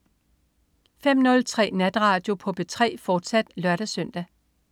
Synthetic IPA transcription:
fem̰nɔ̽lt͡sʰʁɛ̰ːnæd̥ʁɑ̈ːd̥jo̝pʰɒ̽b̥e̝t͡sʰʁɛ̰ːfɒːd̥sæd̥lɶɐɾ̥æsœn̰d̥æ

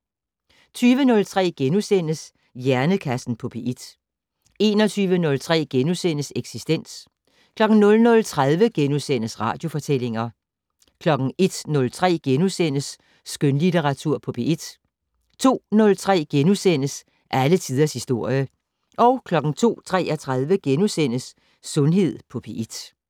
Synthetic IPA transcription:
t͡sʰyːʋənɔ̽lt͡sʰʁɛ̰ːɡ̥enusen̰əs | jæɐnəkʰæsn̩pʰɒ̽pʰeʔid̥ | e̝ːnɒ̽t͡sʰyːʋənɔ̽lt͡sʰʁɛ̰ːɡ̥enusen̰əseɡ̥sisd̥en̰s | kʰlɒ̽ɡ̥n̩nɔ̽lnɔ̽lt͡sʰʁaðˠʋəɡ̥enusen̰əsʁɑ̰̈ːd̥jo̝fɒ̽t͡sʰel̰e̝ŋɐ | kʰlɒ̽ɡ̥ŋ̩e̝d̥nɔ̽lt͡sʰʁɛ̰ːɡ̥enusen̰əsː | ɡ̥ønlit͡sʰeʁɑ̈t͡sʰuɐ̰pʰɒ̽pʰeʔid̥ | t͡sʰo̝̰ːnɔ̽lt͡sʰʁɛ̰ːɡ̥enusenəs | ʔælət͡sʰiːðˠɐshisd̥o̝ɐ̰jə | ʔɒ̽ʊkʰlɒ̽ɡ̥ŋ̩t͡sʰo̝̰ːt͡sʰʁɛ̰ːæt͡sʰʁað̞ˠʋəɡ̥enusen̰əsː | ɔ̽nɦe̝ð̞̰ˠpʰɒ̽pʰeʔid̥

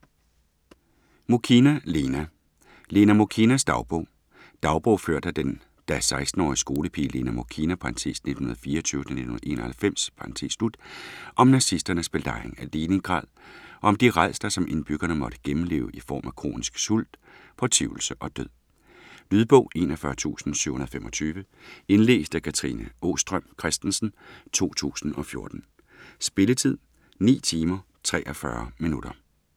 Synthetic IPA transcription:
mokʰinælenæ | le̝ːnæmokʰinæsd̥ɑ̈ʊb̥ɔʊ̰ | d̥ɑ̈ʊb̥ɔʊføɐ̰d̥æd̥en | d̥æsɑ̈ɪsd̥n̩ɒ̰ːisɡ̥o̝ːləpʰḭːle̝næmokʰinæpʰɑɑnt͡sʰḛːsne̝d̥hunɐðˠfiːɐɒt͡sʰyːʊə̥t͡sʰæne̝d̥uhunɐ̰e̝̰ːnɐhælfem̰spʰɑ̈nt͡sʰḛːslud̥ʔɒ̽mnɑ̈sisd̥ɐnəsb̥eldɑ̈eŋæleːne̝ŋɡ̥ʁɑ̰̈ːð̰ˠʔɒ̽ɒ̽md̥iʁað̰ˠsd̥ɐsɒ̽mʔe̝nb̥yɡ̥ɐnəmɒ̽ɾ̥əɡ̥emm̩le̝̰ːʊʔifɒ̰ːmækʰʁo̝̰ːnisɡ̥sul̰d̥ | pʰɒ̽t͡sʰiʊ̰l̩səʔɒ̽d̥øð̰ˠ | lyðˠb̥ɔʊe̝̰ːnɒfɶɐt͡sʰṵːsn̩sy̰ʊ̰unɐðˠfemʔɒ̽t͡sʰyːʋəe̝nle̝̰ːsd̥əkʰæt͡sʰʁḭnəo̝̰ːsd̥ʁœm̰kʰʁɛsd̥n̩sn̩t͡sʰo̝̰ːt͡sʰṵːsn̩ɒ̽fjo̝ɐd̥n̩ | sb̥e̝lət͡sʰið̞̰ˠ | nḭːt͡sʰiːmɐ | t͡sʰʁɛ̰ːʔɒfɶɐminudɾ̥ɐ

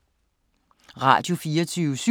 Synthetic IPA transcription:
ʁɑ̰̈ːd̥jo̝fiːɐt͡sʰyːʊəsy

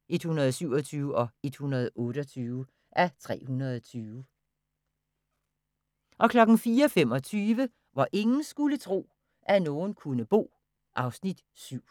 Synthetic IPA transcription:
ʔe̝d̥hunɐð̞̩ˠsyʊ̰ɒ̽t͡sʰyːʊɒ̽e̝d̥hunɐð̞ˠɔ̽ːɾ̥əɒt͡sʰyːʊ | ʔæt͡sʰʁɛ̰ːhunɐðˠɒt͡sʰyːʋ | ʔɒ̽kʰlɒ̽ɡ̥n̩fiːɐɒfem̰ɒ̽t͡sʰyːʋə | ʋɑ̈ʔe̝ŋn̩sɡ̥ulət͡sʰʁo̝̰ː | ʔænoːn̩kʰunəb̥o̝̰ː | ʔɑ̈ʊsnid̥ | syʊ̰

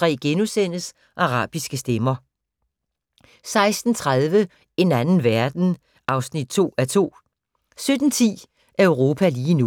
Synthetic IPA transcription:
ʁɛ̰ːɡ̥enusen̰əs | ʔɑ̈ʁɑ̰̈ːb̥isɡ̥əsd̥emɐ | sɑ̈ɪsd̥n̩t͡sʰʁað̞ˠʋə | e̝nænn̩ʋæɐd̥n̩ | ʔɑ̈ʊsnid̥̚t͡sʰo̝̰ːæɐt͡sʰo̝̰ː | sød̥n̩t͡sʰḭː | ʔæɐəʊʁo̝ːpʰæliːnu

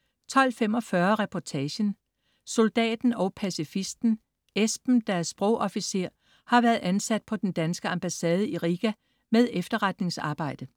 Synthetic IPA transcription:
t͡sʰɒ̽l̰fem̰ɒ̽fɶːɐʁɛpʰɒt͡sʰɛːɕən | so̝ld̥ɛ̰ːd̥n̩ɒ̽ʊpʰæsifisd̥n̩ | ʔesb̥n̩d̥ææɐsb̥ʁɔʊʔɒ̽fise̝̰ɐ̰ | hɑ̈ʋæːɐðˠʔænsæd̥̚pʰɒ̽d̥end̥ænsɡ̥əɑmb̥æsɛːð̞ˠəiʁiɡ̥æ | meðˠefd̥ɐʁɑd̥ne̝ŋsɑ̈ːb̥ɑ̈ɪ̰d̥ə

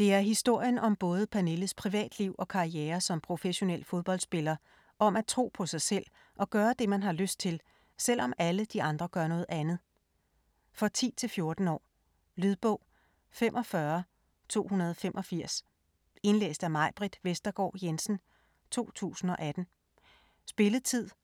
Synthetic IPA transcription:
d̥e̝æɐɦisd̥o̝ɐ̰jənʔɒ̽mb̥ɔ̽ːð̞ˠəpʰæne̝ləð̩spʰʁiʋɛ̰ːd̥liʊ̰ʔɒ̽kʰɑ̈ieːɐsɒ̽mpʰʁo̝feɕo̝nel̰fo̝ð̞ˠb̥ɒ̽l̰d̥sb̥e̝lɐ | ʔɒ̽mæt͡sʰʁo̝̰ːpʰɒ̽sɑ̈ɪsel̰ | ʔɒ̽ɡ̥ɶːɐd̥e̝mænɦɑ̈løsd̥̚t͡sʰe̝l | sel̰ɒ̽mæləd̥iʔɑ̈nd̥ʁɐɡ̥ɶɐnɔ̽ːð̞̩ˠænð̩ˠ | fɒ̽t͡sʰḭːt͡sʰe̝lfjo̝ɐd̥n̩ɒ̰ː | lyð̞ˠb̥ɔ̽ʊ̰ | femʔɒ̽fɶɐ | t͡sʰo̝̰ːhunɐð̞ˠɒfemʔɒ̽fiɐ̰s | e̝nlḛːsd̥æmɑ̈ɪ̰b̥ʁid̥ʋesd̥ɐɡ̥ɒ̰ːjensn̩ | t͡sʰo̝̰ːt͡sʰṵːsn̩ɒ̽ʔæd̥n̩ | sb̥e̝ləð̩ˠt͡sʰið̞̰ˠ

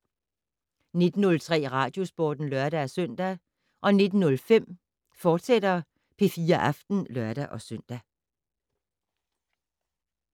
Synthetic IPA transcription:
ne̝d̥n̩ːɔ̽lt͡sʰʁɛ̰ːʁɑ̈ːd̥jo̝sb̥o̰ːd̥n̩lɶɐɾ̥ææsœn̰d̥æ | ʔɒ̽ne̝d̥n̩nɔ̽lfem̰ | fɒːd̥sed̥ɐ | pʰe̝fiːɐʔɑ̈fd̥n̩lɶɐɾ̥æʔɒ̽søn̰d̥æ

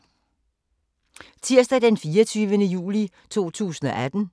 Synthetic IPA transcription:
t͡sʰiɐ̰sd̥æd̥enfiːɐt͡sʰyːʋənəjṵːli | t͡sʰo̝̰ːt͡sʰṵːsn̩ɒ̽ʔæd̥n̩

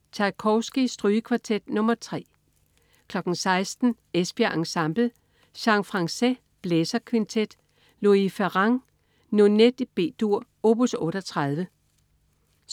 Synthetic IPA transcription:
t͡sʰɑ̈ɪkʰɒʊsɡ̥isd̥ʁyːəkʰʋɑ̈t͡sʰed̥nɔ̽mɐt͡sʰʁɛ̰ː | kʰlɒ̽ɡ̥n̩sɑ̈ɪsd̥n̩ | esb̥iæʔɑ̈ŋsɑmb̥l̩ | ɕɑ̈ŋfʁɑ̈ŋse | b̥lesɐkʰʋint͡sʰed̥ | loifæʁɑ̈ŋ | noned̥ib̥e̝̰ːd̥uɐ̰ | o̝b̥usɔ̽ːɾɒt͡sʰʁɑað̞ˠʋə

